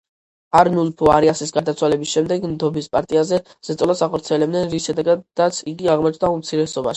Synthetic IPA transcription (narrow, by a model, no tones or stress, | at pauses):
aɾnulpʰuaɾiasisɡaɾd̪at̪sʰwalɛbisʃɛmd̪ɛɡmd̪ɔbispʼaɾt̪ʼiazɛ | z̥ɛt̪sʼɔlasaχɔɾt̪sʰiɛlɛb̚d̪ɛnɾisʃɛd̪ɛɡad̪at̪sʰiɡiaʁmɔt͡ʃʰʼd̪aumt̪sʰiɾɛsɔba̰ʃii